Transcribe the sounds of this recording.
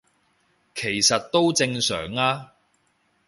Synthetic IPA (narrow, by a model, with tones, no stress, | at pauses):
kʰe˨˩jsɐ˨t̚t̪ːo˥wt͡sɪ˧ŋsœ̰ː˨˩ŋaː˧